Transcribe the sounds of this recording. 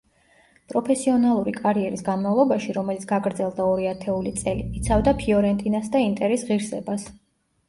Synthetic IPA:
pʼɾɔpʰɛsiɔnalˠuɾikʼaɾiɛɾisɡanmavlˠɔbaʃiɾɔmɛlit̪sʰɡ̥aɡɾd̪zɛlˠd̪aɔɾiat̪ʰɛulit̪sʼɛlḭit̪sʰavd̪apʰiɔɾɛnt̪ʼinasd̪aint̪ʼɛɾɛsʁiɾsɛbas

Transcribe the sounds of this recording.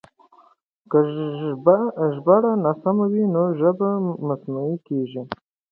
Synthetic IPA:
ka | ʒbaɽanasamawinoʒəbamasnuikeʒi

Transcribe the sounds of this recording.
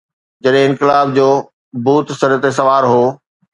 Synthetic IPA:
d͡ʑɐɗɦɪ̃ɪ̃nkɪlaːb̚d͡ʑoː | buːt̪sɐɾət̪esɐʋaːɾɦoː

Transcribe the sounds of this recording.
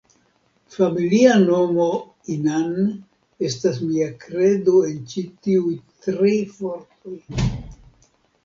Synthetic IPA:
familiano̞mo̞ | inan | e̞stasmiakɾe̞doe̞nt͡ʃitiujtɾifoɾt̪o̞j

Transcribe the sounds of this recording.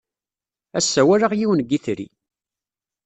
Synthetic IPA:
æsːæwæɾaʁjiwənɡːiθɾḭ

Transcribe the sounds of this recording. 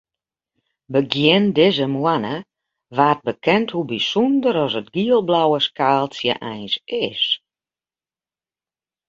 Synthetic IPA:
bəɡjɪndɪzəmwanə | ʋaːt̚bəkʰɛnthubisundəɾɔsətɡiəlˠblawəskaːlˠsjə̰ʔɛjnsɪs

